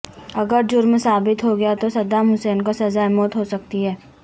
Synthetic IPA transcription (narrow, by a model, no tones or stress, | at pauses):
ɐɡəɾd͡ʒʊɾmsaːbɪt̪ɦoɡɐjat̪osɐd̪amɦʊseːnkasɐzaːemɔːt̪ɦosɐk̚t̪iɦɛː